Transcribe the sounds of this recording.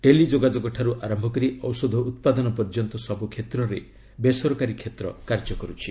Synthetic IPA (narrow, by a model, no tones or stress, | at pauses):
ʈelid͡ʒoɡad͡ʒɔɡɔʈʰaɾuʔaɾɔmbʱɔkɔɾiɔwsɔd̪ʱɔut̪̚pad̪ɔnɔpɔɾd͡ʒɔnt̪ɔsɔbukʰet̪ɾɔɾe | besɔɾɔkaɾikʰet̪ɾɔ̰kaɾd͡ʒɔkɔɾut͡ʃʰi